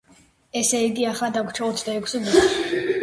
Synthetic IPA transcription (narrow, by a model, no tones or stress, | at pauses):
ɛsɛiɡiaχlad̪akʷʰt͡ʃʰaɔt̪ʰd̪aɛkʰsiɡɛ